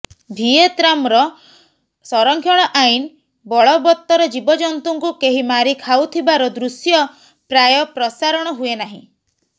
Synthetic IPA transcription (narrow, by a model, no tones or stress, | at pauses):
bʱiet̪ɾamɾɔ | sɔɾɔŋkʰjɔɽ̃ɔʔajn | bɔɭɔbɔt̪ːɔɾɔd͡ʒibɔd͡ʒɔnt̪uŋkukeɦimaɾikʰawt̪ʰibaɾɔd̪ɾusjɔ | pɾajɔpɾɔsaɾɔɽ̃ɔɦuenaɦḭ̃